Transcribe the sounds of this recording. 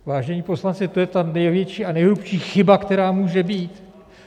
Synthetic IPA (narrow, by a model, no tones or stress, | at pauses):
vaːʒɛɲiːpo̞slant͡sɪt̪o̞jɛt̪anɛjvjɛt͡ʃiːanɛjɦlupʃiːxɪbakt̪ɛɾaːmuːʒɛbiːt̪